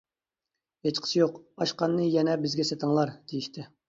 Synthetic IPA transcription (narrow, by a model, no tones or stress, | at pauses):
het͡ʃqʰə̥sjoqɑʃqɑnːɨjɛnɛbɪzɡʲɛsɛt̪ʰəŋlˠɑɾd̪̥ejiʃt̪ʰɪ